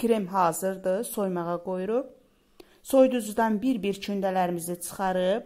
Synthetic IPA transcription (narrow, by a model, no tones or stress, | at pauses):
kɾemɦɑːzɯɾd̪ɯso̞jmɑʁɑɡo̞juɾup̚ | so̞jd̪uzud̪ɑnbiɾbiɾt͡ʃʰynd̪ælæɾimizit͡ʃʰɯ̥χɑɾɯp̚